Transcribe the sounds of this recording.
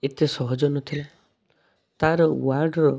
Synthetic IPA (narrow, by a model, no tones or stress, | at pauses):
et̪jɔsɔɦɔd͡ʒɔnɔt̪ʰila | t̪aɾɔwaɾɖɾɔ